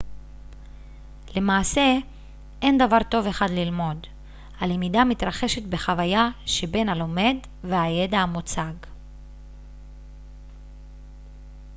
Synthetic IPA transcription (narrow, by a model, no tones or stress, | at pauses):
le̞maːse̞ | ʔe̞nd̪avaʁt̪o̞ve̞χad̪lilmo̞d | halemid̪amit̪ʁaχe̞ʃe̞t̪be̞χavajaʃe̞be̞nalo̞me̞d | veaje̞d̪aamot͡saɡ